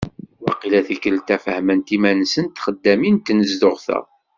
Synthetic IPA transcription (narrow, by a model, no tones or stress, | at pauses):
wɑqilæθikəlt̪æfəhmənt̪imænsənt̪χəd̪ːæmint̪ːnəzd̪ʊʁθæ̰